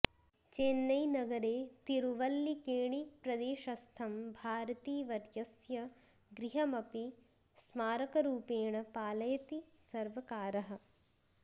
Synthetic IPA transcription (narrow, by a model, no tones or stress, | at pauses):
t͡ʃeːnːɐjnɐɡɐɾeːt̪iɾuʋɐlːikeːɳipɾɐd̪eːʃɐst̪ʰɐmbʱaːɾɐt̪iːʋɐɾjɐsjɐ | ɡɾiɦɐmɐpi | smaːɾɐkɐɾuːpeːɳɐpaːlɐjɐt̪i | sɐɾʋɐkaːɾɐɦɐ̆